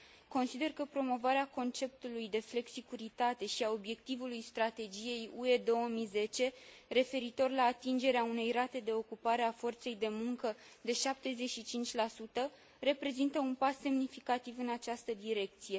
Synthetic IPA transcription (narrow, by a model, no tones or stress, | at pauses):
ko̞nsid̪e̞rkəpɾo̞mo̞vaɾeako̞nt͡ʃe̞p̚t̪ulujd̪e̞fle̞ksikuɾit̪at̪e̞ʃiao̞bje̞k̚t̪ivulujst̪ɾat̪e̞d͡ʒije̞jue̞d̪o̞wəmijze̞t͡ʃe̞re̞fe̞ɾit̪o̞rlaːt̪ind͡ʒe̞ɾeaune̞jrat̪e̞d̪e̞o̞kupaɾe̞afo̞rt̪se̞jd̪e̞muŋkə | d̪e̞ʃap̚t̪e̞ze̞ʃit͡ʃint͡ʃʲlasut̪ə | re̞pɾe̞zint̪əunpasːe̞mnifikat̪ivɨnat͡ʃast̪əd̪iɾe̞k̚t̪sije̞